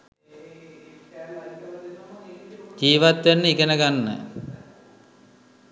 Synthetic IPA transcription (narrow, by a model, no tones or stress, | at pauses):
d͡ʒiːʋat̪ʋanːəikenəɡanːə̰